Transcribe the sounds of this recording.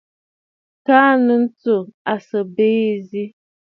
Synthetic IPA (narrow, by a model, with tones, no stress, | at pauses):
kaː˦nə˨n̩˦t͡so˨a˨sə˨beː˦zi˦